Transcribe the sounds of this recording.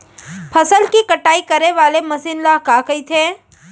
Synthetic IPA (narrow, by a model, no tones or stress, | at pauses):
pʰəsəlkikəʈaːikɐɾeʋaːlemɐsɪnlaɦkaːkɐit̪ʰeː